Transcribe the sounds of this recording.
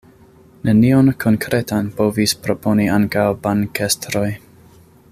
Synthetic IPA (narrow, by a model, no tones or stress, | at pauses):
nenionkʰo̞nkɾʔe̞tanpo̞vispɾo̞pʰo̞niaŋkawbankestɾo̞j